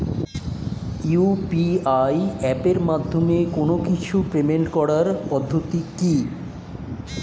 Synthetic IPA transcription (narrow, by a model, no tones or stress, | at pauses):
upiajɛpeɾmad̪ʱːomekonokit͡ɕʰupɾemeɳʈkɔɽaɾpɔd̪ʱːot̪iki